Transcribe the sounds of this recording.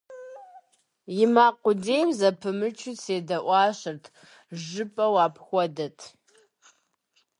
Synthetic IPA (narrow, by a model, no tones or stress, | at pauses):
jɪmaːqʷʊdeːjmzɐpʰɨmɨt͡ʃʰʊseːdɐʔʷɑːɕɨrtʰ | ʒɨpʼɐwaːpʰxʷɔdɐtʰ